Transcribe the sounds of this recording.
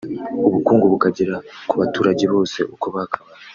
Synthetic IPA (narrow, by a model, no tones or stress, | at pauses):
uβukuːŋɡuβukaɟiɾakuβatuːɾaɟeβo̞ːse̞̰ʔokoβakaβa